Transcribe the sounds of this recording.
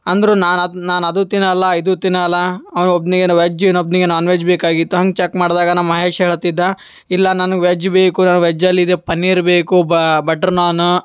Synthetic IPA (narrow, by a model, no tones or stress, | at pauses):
ɐnd̪ɾunaːnɐnaːnɐd̪ut̪inɐlːɐid̪ut̪inɐlːɐːɐʋɐnuobniɡenɐʋed͡ʒeːnobniɡenaːnʋed͡ʒbeːkaːɡit̪ːuɦɐŋɡt͡ʃɐkmaːɽd̪aːɡɐnɐnmɐɦeːʃɐɦeːɭt̪id̪ːɐ | ilːɐnɐnɐɡʋed͡ʒbeːkunɐnɡʋed͡ʒɐlːiːd̪epɐnːiːɾbeːkubɐʈɐɾnaːnu